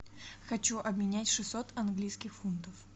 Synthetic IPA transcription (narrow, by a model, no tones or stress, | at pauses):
xɐt͡ɕuʔɐbmʲɪnʲætʲʂɨsːo̞t̪ɐnɡlʲijskʲɪxfunt̪əf